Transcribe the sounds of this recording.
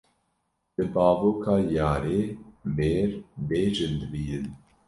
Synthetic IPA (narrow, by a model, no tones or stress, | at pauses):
d̪̥ɨbɑːvoːkʰaːjɑːɾeːbeːɾbeːʒɨnd̪ɨbiːɾɨn